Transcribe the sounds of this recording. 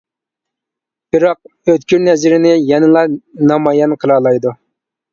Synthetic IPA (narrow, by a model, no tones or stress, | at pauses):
b̥ɪɾɑq̚øt̪kʲyɾnɛzɪɾɪnɪjɛnɨlˠɑnɑmɑjɑnqʰəlˠɑːlˠɑjd̪u